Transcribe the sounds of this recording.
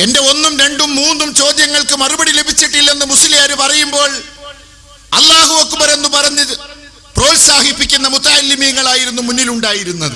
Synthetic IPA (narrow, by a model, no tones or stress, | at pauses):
e̞nde̞o̞nːumɾe̞ɳɖumːuːnːumt͡ɕo̞ːd̪jɐŋːɐɭkɨmɐrubɐɽile̞bʱit͡ɕːiʈːilːe̞nːɨmusiljaːɾupɐrɐjumbo̞ːɭ | ɐ̰lːaːɦuʋokːɨbɐɾe̞nːupɐrɐɲːɐðɨ | pro̞ːlsaːhipːikʲːunːɐmut̪ːaːlːimijɐŋːɐɭaːjiɾunːumunːiluɳɖaːjiɾunːɐðɨ̰